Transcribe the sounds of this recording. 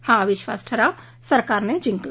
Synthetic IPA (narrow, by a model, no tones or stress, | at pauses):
hãʋɪʃʋa̰ːsʈʰɐɾa | səɾkaːɾned͡ʒɪ̃ŋkl